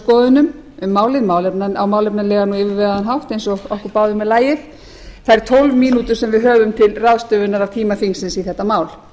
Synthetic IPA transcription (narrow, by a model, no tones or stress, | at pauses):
kɔːðʏnʏm | ʏmːaːwlɪðmaːwlɛpnanawmaːwlɛpnanlɛːɣanuːɪːvɪɾvɛːɣaðanɦaft̪ejnsɔɣɔhkʏɾpaːwðʏmːɛðlaːjɪθ | θaɛɾ̥t̪ʰɔwlvmiːnut̪ʏɾ̥sɛmvɪðɦœːvʏmt̪ʰɪlraðst̪œːvʏɪnːaɾav̥t̪ʰiːmafiŋsɪnsiθɛht̪ːamaːwl